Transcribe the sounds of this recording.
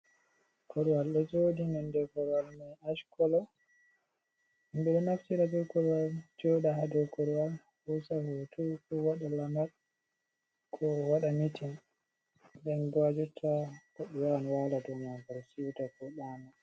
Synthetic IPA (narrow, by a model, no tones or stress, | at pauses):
kʰɔɾiwalɗɛd͡ʒodinɛndɛkɔɾwalmɛaʃkɔlɔ | imbɛɗɛnaftiɾad͡ʒɔkɔɾwald͡ʒɔɗaɦadɛkɔɾwal | wusahutʰukɔwaɗalamad | kʰɔwaɗamitʰin | dɛnbad͡ʒutʰːakɔɗɛwanwaladɔmabalsitakɔɗana